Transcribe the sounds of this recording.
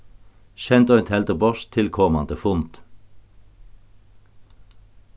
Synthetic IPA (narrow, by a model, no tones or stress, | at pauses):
ʃɛnt̪ɔɛnt̪ʰhɛlt̪əbɔʃt̪ʰɪlkʰɔmɑ̰nd̪əfʊnt̪